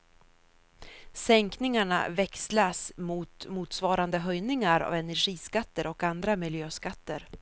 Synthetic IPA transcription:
sɛŋknɪŋaɳa̰vɛkslasmuːt̪muːt̪svɑːɾand̪əɦœjnɪŋaɾa̰vɛnæɾɧiːskat̪ːəɾɔkand̪ɾamɪljøːskat̪ːəɾ

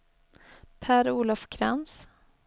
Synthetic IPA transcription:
pʰæːɾuːlafkʰɾɛ̰ns

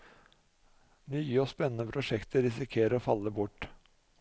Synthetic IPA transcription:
nyːəoːspɛnənəpʰɾʊʂɛkt̪ʰəɾɪsɪkʰeːɾəɾoːfɑlːəbʊʈː

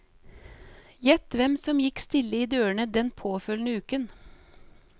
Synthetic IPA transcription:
jɛt̪ʋɛmsɔmjɪkst̪ɪlːəiːd̪øːəɳəd̪ɛnpʰoːfœlnəʉːkən

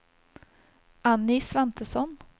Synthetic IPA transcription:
ʔanːɪsvɛnt̪əsɔn

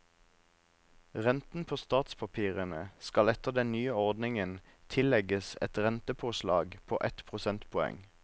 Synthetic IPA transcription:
ʁɛnt̪n̩pʰoːst̪ɑːt̪spʰɑpʰiːʁənəskɑlɛt̪əʁd̪ɛnnyːəɔʁd̪nɪŋən | t̪ʰɪlɛɡəsɛ̰t̪ʁɛnt̪əpʰoːʃlɑ̰ːɡpʰoːʔɛt̪pʰʁʊsɛnt̪pʰɔɛ̰ŋ

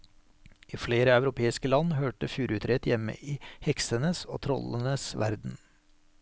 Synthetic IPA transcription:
ʔiːfleːɾəɑʉɾʊpʰeːɪskəlɑnhøːʈəfjuːɾʉːt̪ʰɾɛt̪jɛmə̰ʔiːhɛksənəso̰ːt̪ʰɾɔ̰lənəsʋæ̰ɾd̪n̩

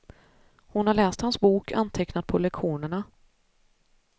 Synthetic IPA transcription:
hʊnhaɭɛːst̪hansbuːkʰa̰nt̪ʰɛknat̪̚pʰɔlɛkɧuːnəɳa

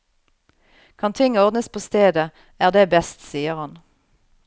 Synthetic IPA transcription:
kʰɑnt̪ʰɪŋɔʁd̪nəspʰoːst̪eːd̪ə | æːʁd̪eːbɛst̪siːəʁhɑn

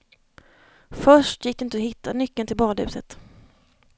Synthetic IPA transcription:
fœʂʈjɪkd̪ɛɪnt̪əɔhɪt̪ʰːanʏkːənt̪ɪlbɑːd̪ʉ̟ːsət̪

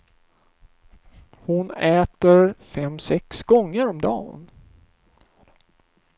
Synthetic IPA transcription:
hʊnɛːt̪əɾfɛmsɛksɡɔŋːəɾɔmd̪ɑ̰ːn

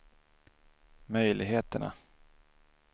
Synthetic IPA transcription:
mœjlʔɪɡɦeːt̪əɳa̰

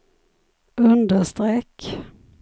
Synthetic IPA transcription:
ɵnd̪əʂt̪ɾɛːk

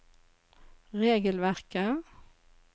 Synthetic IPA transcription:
ʁeːɡəlʋæʁkə

